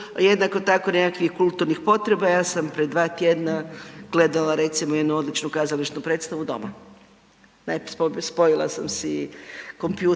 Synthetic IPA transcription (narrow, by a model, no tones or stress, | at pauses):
je̞d̪nakot̪ako̞ne̞kakʋixkulˠt̪uɾnixpo̞t̪ɾe̞bajaːsampɾe̞d̪ʋaːt̪jed̪naɡ̥le̞d̪alˠaɾet̪simoje̞d̪nuo̞d̪lit͡ʃnukazaliʃnupɾet̪st̪aʋud̪o̞̰ma̰ | nappospo̞jilˠa̰samseko̞mpjuː